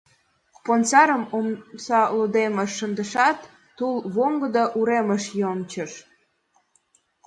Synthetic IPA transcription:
pont͡sɑɾəmomsɑlod̪eməʃːənd̪əʃɑt̪ː | ulβoŋɡəd̪ɑʔuɾeməʃjomt͡ɕəʃ

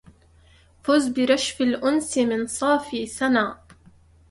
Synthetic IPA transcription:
fʊzbɪɾˤɑʃfɪlʔʊnsɪmɪnsˤɑːfiːθanaː

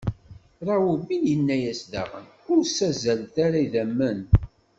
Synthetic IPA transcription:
ɾˤɑwuminjənːæjæsðæ̰ʁə̰n | ʊɾsæzælt̪aɾaiðæmːæn

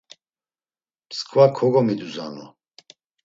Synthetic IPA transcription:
pskʰvakʰɔɡɔmid̪uza̰nɔ̰

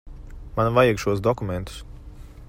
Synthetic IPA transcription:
manvajɛɡʃuɔsd̪ɔkumɛnt̪u̥s

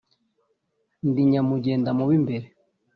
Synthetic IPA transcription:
ndiɲamuɟeːndamuβimbeɾe

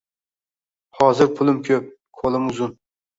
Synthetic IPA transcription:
hɑːzɪɾpʰʊlˠɪmkʲʰɵp̚ | kʰolˠɨmuzun

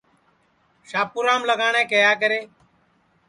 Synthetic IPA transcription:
ʃaːpuːɾãːmləɡaːɳẽːkəjaːk̬əɾeː

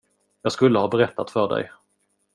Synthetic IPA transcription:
jɑːɡskɵlːəhɑːbɛɾɛt̪ːat̪fœɖɛ̰j

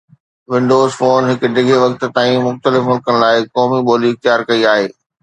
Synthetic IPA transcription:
ʋɪ̃ɳɖoːzfoːnɦɪkʊ̆ɖʱɪɡʱeʋɐkt̪̆t̪aːĩmʊxt̪əlɪfmʊlkənɪ̆laːɪkɔːmiɓoːliɪxt̪jaːɾkɐiaːɦeː

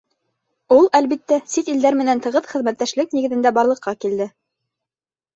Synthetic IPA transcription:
ulˠælβit̪ːæsit̪ild̪æɾmɘ̆nænt̪ɤ̆ʁɤθχɘ̆ðmæt̪ːæʃlɘk̚niɡɘ̆ðɘ̆nd̪æbɑɾlˠɤ̆qʰːɑkild̪ɘ

